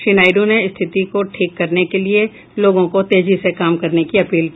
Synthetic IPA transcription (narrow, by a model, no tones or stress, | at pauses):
ʃɪnaːɪɖoneɪst̪ʰɪt̪ikoʈʰiːkːɐɾnekelie | loːɡõkot̪eːd͡ʒisekaːmkɐɾnekiɐpiːlk